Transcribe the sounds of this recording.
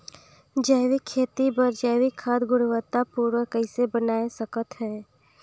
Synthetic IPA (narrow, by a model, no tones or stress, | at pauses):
d͡ʒəjwikʰːeːt̪ibəɾd͡ʒəjʋikʰːaːd̪ɡʊɽʋət̪ːapuːɾwəkəɪsebənaːesəkət̪ɦɛː